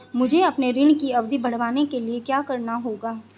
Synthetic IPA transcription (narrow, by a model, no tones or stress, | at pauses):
mʊd͡ʒʱeɐpneɾɪɳkiɐʋd̪ʱibɐɽ̤ʋaːnekeliekjaːkɐɾnaɦoːɡaː